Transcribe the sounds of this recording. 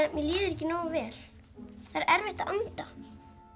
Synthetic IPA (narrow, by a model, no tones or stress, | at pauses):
mjɛliːðʏɾɛhcːɪnɔːɣavɛːl | θaɾɛɾvɪht̪aʔant̪a